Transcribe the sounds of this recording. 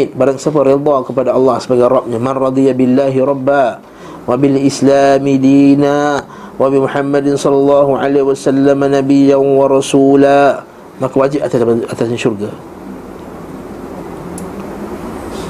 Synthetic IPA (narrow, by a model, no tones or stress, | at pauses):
t̪̚baɾaŋsap̬əɾed̪ˤɑkəpadaɑlːɑhsəbaɡajɾɑp̚ɲamanrˤɑd̪ˤijabɪlːaɦiɾˤɑbːa | wabilʔɪslamidiːna | wabimuħamːadɪnsɔlːɑlːɑɦuʕa̰lewasalːamanabijanwɑɾˤɑsula | makawad͡ʒip̚at̪aat̪asɲaʃurɡa